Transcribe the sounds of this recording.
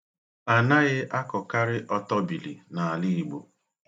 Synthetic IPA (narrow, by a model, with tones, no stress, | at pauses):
a˨na˦ɣɪ˦ʔa˦kɔ˨ka˦ɾɪ˦ʔɔ˦tɔ˦bi˨li˨na˨a˨li˦i˦˨ɡ͡bo̰˨